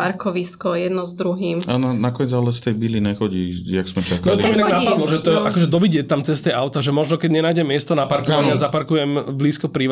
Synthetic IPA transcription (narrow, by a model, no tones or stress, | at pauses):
paɾkɔʋiskɔjɛd̪nɔzd̪ɾuɦiːmananakɔɲɛd͡zalɛst̪ɛjbiliɲɛxɔɟijaɡsmɛt͡ʃak̪aliamɛt̪aɡnapad̪lɔʒɛt̪ɔɛʔakɔʒɛd̪ɔʋiɟɪɛt̪ːamt͡sɛst̪ɛjʔaʊt̪aʒɛmɔʒnɔkɛɟɲɛnaːjɟɛmːɪɛst̪ɔnapaɾkɔʋaɲɪazapaɾkujɛmbliːskɔpɾiʋ